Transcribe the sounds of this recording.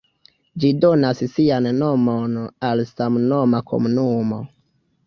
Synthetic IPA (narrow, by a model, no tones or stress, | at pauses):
d͡ʒidonassianːomonalsamno̞makʰo̰munumo̞